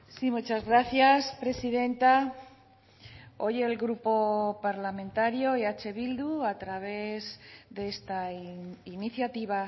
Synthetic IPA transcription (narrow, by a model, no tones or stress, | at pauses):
simut͡ʃazɣɾaθjaspɾe̞siðe̞nt̪a | o̞jelɡɾupo̞paɾlamẽnt̪aɾjoeat͡ʃe̞βild̪uat̪ɾaβ̞e̞zðeest̪ainiθjat̪iβa